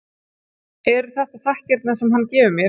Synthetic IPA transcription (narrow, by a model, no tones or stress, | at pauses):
ɛɾθɛht̪aθahcɛɾt̪nasɛmɦanːcɛːvʏmjɛɾ